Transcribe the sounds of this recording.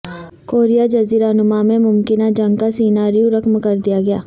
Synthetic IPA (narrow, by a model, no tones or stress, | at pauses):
koːɾijad͡ʒɐziːɾanʊmamẽmʊmkɪnad͡ʒɐ̃ŋɡkasiːnaːɾijõɾɐkmkɐɾd̪ijaɡɐjaː